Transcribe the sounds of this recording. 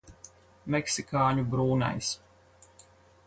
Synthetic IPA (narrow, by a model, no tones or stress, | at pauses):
mɛksikaːɲubɾuːna̰js